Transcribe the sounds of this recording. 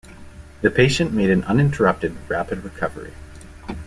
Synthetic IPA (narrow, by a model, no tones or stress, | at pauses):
ðɨpʰeɪʃɨ̃nmeɪɾɨ̃nʌ̃nɪ̃ntʰə˞ʌp̚tɨd̚ɹæpɨd̚ɹɨkʰʌvə̰˞ḭ